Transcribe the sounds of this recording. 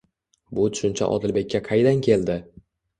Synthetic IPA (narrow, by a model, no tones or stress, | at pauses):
bʊt̪ʰʊ̥ʃʊnt͡ʃʰa̰ʔɒ̰d̪ɪlbe̞k̚ʲːaqʰɑjd̪ankʲʰe̞ld̪ɪ